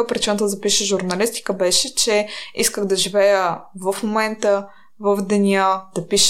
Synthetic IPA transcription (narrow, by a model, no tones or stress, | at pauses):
əpɾit͡ʃinət̪əzɐpiʃəʒuɾnɐlist̪i̥kəbɛʃɛt͡ʃɛiskəxd̪ɐʒivɛjəvəfmomɛnt̪ə | vəvd̪ɛnʲəd̪̥ɐpiʃ